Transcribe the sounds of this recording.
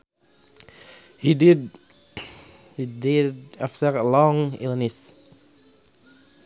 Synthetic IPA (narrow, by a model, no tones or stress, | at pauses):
hidɪd | hidɪdæftəɹəlɔ̃ŋɪ̰lˠnɪs